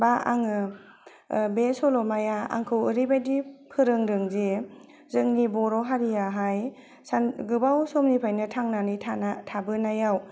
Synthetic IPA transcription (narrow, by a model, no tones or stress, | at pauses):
baaŋɯ | besɔlɔmajaa̰ŋkʰɯwɾibajdipʰɯɾɯŋɾɯŋze | zɯŋnibɔɾɔɦaɾijaɦaj | sanɡɯbawsɔmnipʰajnɯtʰaŋnanɯjtʰanatʰabɯnajaw